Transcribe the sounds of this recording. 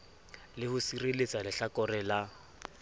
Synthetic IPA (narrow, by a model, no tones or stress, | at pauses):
lɪhʊsirelet͡sʼalɪɬakɔrɛla